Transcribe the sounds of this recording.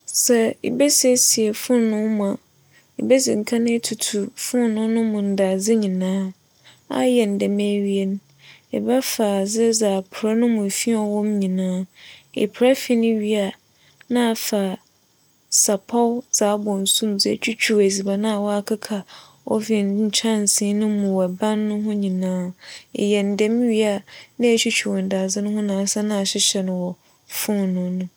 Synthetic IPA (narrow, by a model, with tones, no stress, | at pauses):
sɛ˨ḭ˨bɛ˦sɛ˦si˨ɛ˨fʊ̃˦nːʊ̃˦mã˨ | i˨be˦zɪ˨ŋ̩˨kʰã˦nʊ̃˦tʰu˨tʰu˨fʊ̃˦nnʊ̃˦nʊ̃˦mʊ̃˨n̩˨da˨d͡zɪ˦ɲĩ˨nãː˦ | a̰˦jɛ˨n̩˨dɛ˨mɛ̃˦ɥi˦ɛ˦n˦ | ɛ̰˨ba˦fa˨d͡zɪ˦d͡zaː˨pʰɾa˦nʊ̃˦mʊ̃˨fi˦ɔ˨wɔ̃˦mɲĩ˨nãː˦ɛ̰˨pʰɾa˦fi˦nɪ̃˦ɥi˦a˨ | nã˦a˨fa˨ | sa˨pʰɔ˦wz̥aː˨˦bɔ̃˨n̩˨sũ˦md͡zɪ˦ɛ˨t͡ɕʰᶣu˦t͡ɕʰᶣu˨wæ˨zi˨ba˨nã˦a˨wɔ˦a˨kʰa˦kʰa˨ | ɔ̰˦fi˨ɲ̩˨t͡ɕʰã˦n˨sĩ˦nʊ̃˦mʊ̃˨wɛ˨bã˦nːʊ̃˦ɦʊ̃˦ɲĩ˨nãː˦˨jɛ˨n̩˨dɛ˦m̃˦ɥi˦a˨nã˦æ˨t͡ɕʰᶣu˦t͡ɕʰᶣu˨wɔ˨n˨da˨d͡zɪ˦nʊ̃˦hʊ̃˦nãː˨˦sa˦nã˦a˨ɕɪ˦ɕɛ˨nʊ̃˨wɔ˨ | fʊ̃˦˨nʊ̃˦nʊ̃˦